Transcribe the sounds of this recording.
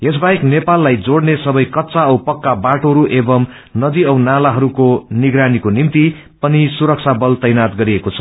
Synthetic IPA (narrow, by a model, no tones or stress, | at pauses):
es̬baeknepalːajd͡zoɽnesʌbʌjkʌtːt͡saʌwpʌkːabaʈoɾuʔebʌm | nʌd̪iʌwnalaɦʌɾukoniɡɾanikonimt̪i | pʌnisuɾʌk̚t͡sʰabʌlt̪ʌjnat̪ɡʌɾiekot͡sʰʌ̥